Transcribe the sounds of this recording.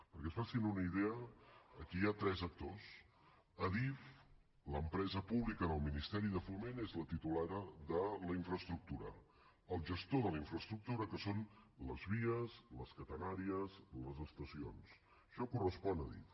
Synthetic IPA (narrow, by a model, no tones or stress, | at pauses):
pəɾkɛsfasinunəiðɛəːkiat̪ɾɛzək̚t̪os | əðif | ləmpɾɛzəpuβlikəðəlˠminist̪ɛɾiðəfumenezlət̪it̪ulaðəðələiɱfɾəst̪ɾuk̚t̪uɾə̰ | əlˠʒəst̪oðələiɱfɾəst̪ɾuk̚t̪uɾəkəsonləzβiəzləskət̪ənaɾiəzləzəst̪əsions | ʃɔkurəspɔnəðḭf